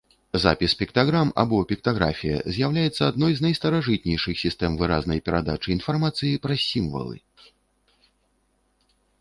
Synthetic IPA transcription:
za̰pʲispʲikt̪aɣɾama̰bɔpʲikt̪aɣɾa̰fʲijɐ̰zʲjawlʲajɛt̪sːɐad̪nɔjznɐjst̪ɐɾaʐɨt̪nʲɛjʂɨxsʲist̪ɛmvɨɾa̰znɐjpʲɛɾad̪a̰t͡ʂɨinfarmat̪sɨjipɾɐsʲimvɐ̰lˠɨ̰

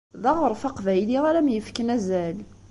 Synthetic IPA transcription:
ðɑʁəɾˤfɑqvæjliʁæɾæmjəfkənæzæl

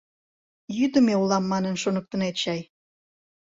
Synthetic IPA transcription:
jyd̪ə̆meulɑmːɑnənʃonək̚t̪ənet̪ɕɑj

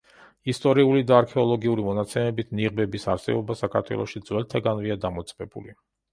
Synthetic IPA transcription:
ist̪ʼɔɾiulid̪aːɾkʰɛɔlˠɔɡiuɾimɔnat̪sʰɛmɛbit̪ʰniʁbɛbisaɾsɛ̰bɔbasakʰaɾt̪ʰwɛ̰lˠɔʃid̪zwɛlt̪ʰaɡanviad̪amɔt̪sʼbɛbṵli

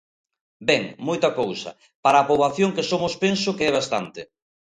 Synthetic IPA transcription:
bɛŋmojt̪ɐkowsɐ̰ | paɾaːpoβaθjoŋkesomʊspensʊkeɛβ̞ast̪a̰nt̪ɪ

